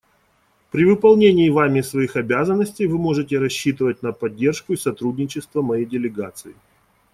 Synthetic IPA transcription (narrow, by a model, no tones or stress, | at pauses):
pɾʲɪvɨpɐlˠnʲenʲɪːvamʲɪsvɐixɐbʲazənːəsʲtʲɪjvɨmo̞ʐɨtʲɪɾɐɕːit̪ɨvətʲnəpɐdʲːe̞rʂkʊisɐt̪ɾudʲnʲɪt͡ɕɪst̪vəmɐjejdʲɪlʲɪɡa̰t̪sɨɪ